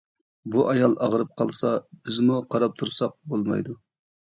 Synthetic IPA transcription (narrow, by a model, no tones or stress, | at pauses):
buʔɑjɑlˠɑʁəɾɨp̚qʰɑlˠsɑb̥ɪzmuqʰɑɾɑp̚t̪ʰuɾsɑq̚bolˠmɑ̰jd̪u